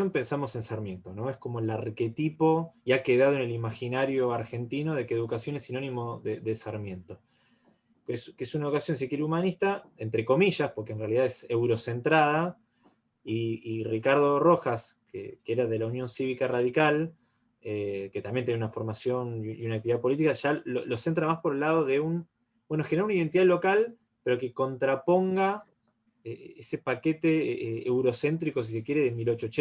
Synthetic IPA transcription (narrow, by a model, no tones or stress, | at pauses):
ompe̞nsamo̞se̞nsaɾmjẽ̞nt̪ono̞esko̞moelaɾke̞t̪ipo̞iake̞ðaðoenelimaxinaɾjo̞aɾxe̞nt̪ino̞ðekeðukasjo̞nesino̞nĩmo̞ðeðesaɾmjẽ̞nt̪o̞ | keskesunaookasjo̞ns̬ikiɾumanist̪aent̪ɾe̞ko̞miʒaspo̞ɾkenrealiðaðesewɾo̞se̞nt̪ɾaða | iːrikaɾð̞o̞ro̞xaskḛkeeɾaðe̞launjo̞nsiβikaraðikal | eket̪ambjent̪jenunafo̞ɾmasjo̞njunakt̪iðapo̞lit̪ikaʒalolose̞nt̪ɾamaspo̞ɾelːað̞oðe̞un | bwenoxenɾaunaiðe̞nt̪iðalokal | peɾo̞keko̞nt̪ɾapo̞ŋɡa | eese̞paket̪eewɾo̞se̞nt̪ɾiko̞s̬is̬e̞kje̞ɾeðemilot͡ʃot͡ʃ